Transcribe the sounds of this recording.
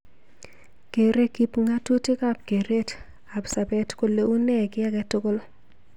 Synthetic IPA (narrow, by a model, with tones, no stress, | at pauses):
ke˨ɾe˦ki˦pŋa˦tu˦tɪ˦ka˦p̚ke˨ɾe˦t | a˨bsa˨bɛ˦tko˨le˨u˦nɛ˦˨kɪ˦a˦kɛ˦tʊ˦kʊ˦l